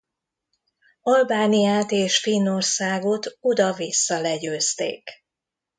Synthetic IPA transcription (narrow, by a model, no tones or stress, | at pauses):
ɒlbaːnijaːt̪eːʃfino̞rsaːɡot̪ud̪ɒvisːɒlɛɟøːst̪ḛːk